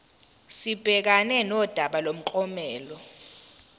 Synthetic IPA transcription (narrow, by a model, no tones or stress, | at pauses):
sib̥ʱɛk̬anɛnɔd̥ʱaɓalom̩ǃʼɔmɛːlɔ